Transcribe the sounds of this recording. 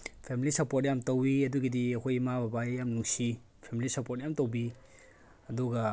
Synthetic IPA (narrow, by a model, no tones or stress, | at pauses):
pʰemilisɐpoɾt̚jamtɐwiɐduɡidiɐkʰojmababajamnuŋsi | pʰemilisɐpot̚jamtɐwbi | ɐduɡɐ